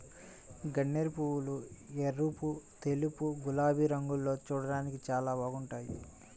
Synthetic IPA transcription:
ɡɐɳːeɾipuwulueɾuput̪elupuɡulaːbʱiɾɐŋɡulːo̞ːt͡ʃuːɽɐɽaːnikit͡ʃaːlaːbaːɡuɳʈaːjḭ

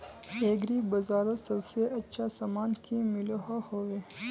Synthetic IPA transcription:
eːɡɾibɐzaːɾosɐlseʔɐt͡ʃʰasɐmaːnkimiloɦohoːwe

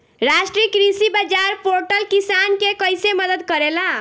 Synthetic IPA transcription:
ɾaʃʈɾikɾisibad͡ʒaɾpoɾʈəlkisankekəjseməd̪əd̪̚kəɾela

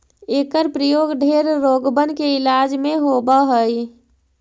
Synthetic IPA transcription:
eːkəɾpɾəjoːɡɖʱeɾːoɡbənkeɪlad͡ʒmẽɦobaɦəj

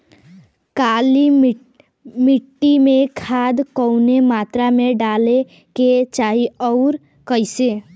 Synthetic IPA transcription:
kali | miʈːimẽkʰad̪kəʊnemat̪ɾameɖale | ket͡ʃaɦiɔʊɾ | kəjse

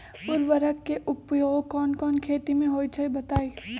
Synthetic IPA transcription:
ʊɾʋəɾəkːeʔʊpjoːɡkɔːnkɔːnkʰeːt̪imẽɦoːit͡ʃʰɐebɐt̪aːi

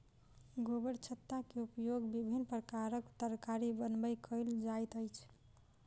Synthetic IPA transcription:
ɡobəɽt͡ʃʰət̪ːakeupjoɡbibʱinpɾəkaɾəkt̪əɾkaɾibənbəjkʰəld͡ʒajt̪əjt͡ʃʰ

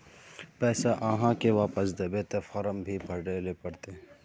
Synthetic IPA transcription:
pɛːsaʔãːɦãkeʋaːpəsd̪ebeːt̪efɔɾəmbʱibʱɐɖeːlepɐɽt̪eː

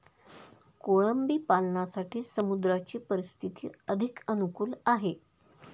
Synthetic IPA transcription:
koɭəmbiːpalɳasaʈiːsəmud̪ɾat͡ɕiːpəɾist̪ʰit̪ḭːəd̪ʱikənukuːlaɦe

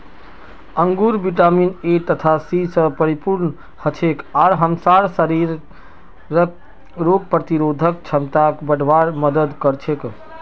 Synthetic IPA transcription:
əŋɡuɾbiʈaminet̪ət̪ʰasisə̃pəɾipuɾɳ | hət͡ʃʰekaɾɦəmsaɾsəɾiɾ | ɾək̚ | ɾoɡ̚pɾət̪iɾod̪ʱəkt͡ʃʰəmt̪akbəɖʋaɾməd̪əd̪kəɾt͡ʃʰek

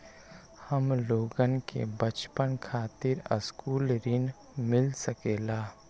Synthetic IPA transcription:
həmloːɡənkḛbət͡ʃpənkʰaːt̪ɪɾə̰skuːlɾɪn | mɪlsəkeːlaː

